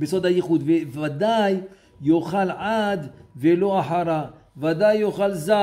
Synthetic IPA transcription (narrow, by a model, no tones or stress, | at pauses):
besod̪hajiχud̪vevad̪ajː | oχalʕad̪velo̞aħaɾa | vad̪ajːoχalza